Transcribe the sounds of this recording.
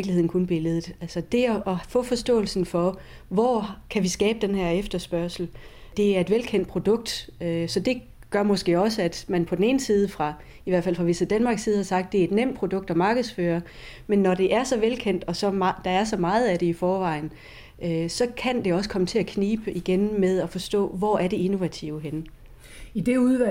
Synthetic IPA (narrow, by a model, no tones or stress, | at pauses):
ɡ̥lie̝ð̰ˠn̩kʰunb̥e̝ləð̞̩ˠælsɐd̥e̝ɒʔfɔ̰̽ːfɒ̽sd̥ɔ̰̽ːl̩sn̩fɒ̽ | ʋɒkʰæʋisɡ̥ɛːb̥əd̥enɦæɐ̰efd̥ɐsb̥ɶɐ̰sl̩d̥e̝æɐe̝d̥ʋelkʰen̰d̥̚pʰʁod̥ɔ̽ɡ̥̚d̥øsɒ̽d̥e̝ | ɡ̥ɶɐmɒ̽sɡ̥e̝̰ːɒ̽səæd̥mænpʰɒ̽dene̝ːnsiːð̞ˠəfʁɑ̈ | iʋæɐ̰̥fæl̰fʁɑ̈ʋesɐd̥ænmɑ̈ːɡ̥sːiːð̞̩ˠhɑ̈sɑ̈ɡ̥̚d̥e̝ɐe̝d̥nem̰d̥̚pʰʁod̥ɔ̽ɡ̥̚d̥ɒ̽mɑ̈ːɡ̥ð̞̩ˠsføːɐ | menːɒd̥e̝ʔæɐsɒ̽ʋelkʰen̰d̥ɒ̽sɒ̽d̥ɑ̈æɐsɒ̽mɑ̈ːð̞̩ˠæɾ̥e̝ifɒːʋɑ̈ɪ̰n̩ | ʔøsɒ̽kʰænd̥e̝ɒ̽s̬ə̥kʰɒ̽mət͡sʰe̝ækʰniːb̥əʔiɡ̥enmeðˠɒfɒ̽sd̥ɔ̰̽ːʋɒæɐɾ̥e̝e̝no̝ʋæt͡sʰiʊɦenə | id̥e̝uðˠʋæ